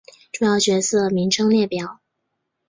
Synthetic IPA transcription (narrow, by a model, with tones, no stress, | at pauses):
ʈ͡ʂʊ˥˧ŋjɑ˥˩ʊt͡ɕɥɛ˧˥sɤ˥˩mi˧˥ŋʈ͡ʂʰɤ˥ŋljɛ˥˩pjɑ˨˩˦ʊ